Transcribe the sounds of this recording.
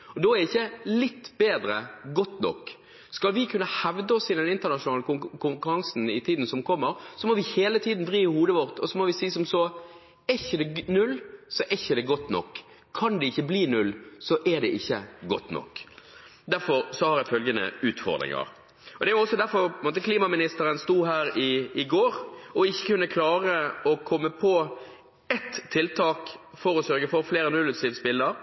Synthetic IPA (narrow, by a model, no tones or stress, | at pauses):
ɔd̪ɔæɾɪçːəlɪt̪ːbeːd̪ɾəɡɔt̪ːnɔ̰k | skɑlʋɪkʰʉnːəhɛʋd̪əɔsɪd̪ɛnɪnt̪əɾnɑʃʊnɑːləkʰʊŋkʉɾɑŋsn̩ɪt̪ʰiːd̪n̩sɔmkʰɔmːəɾsɔmɔʋɪheːlət̪ʰiːd̪n̩d̪ʁiːɪhuːd̪əʋɔʁt̪ʰɔsɔmɔʋɪsiːsɔmsɔ | ɛɪçəd̪ɛnʉlːsɔʔɛɪçːəd̪ɛɡɔt̪ːnɔ̰kʰː | ɑnd̪ɛɪçːəbliːnʉlːsɔʔɛd̪ɛʔɪçːəɡɔt̪ːnɔ̰kː | d̪æɾfɔɾsɔhɑɾjæɪfœlɡənə̰ʉːt̪fɔ̰ɾd̪ɾɪ̰ŋɑ̰ɾ | ɔd̪ɛæjʊɔsːɔd̪æɾfɔɾpɔɪnmoːt̪əkʰliːmɑmɪnɪst̪əɾənst̪uːɦæːɾɪːɡoːɾɔɪçːə̥kʰʉnːəkʰlɑːɾəɔkʰɔmːəpʰɔ | ɛt̪ʰːɪlt̪ʰɑːkfɔɾɔsœɾɡəfɔɾfleːɾənʉlːʉsiʋspɪlːəɾ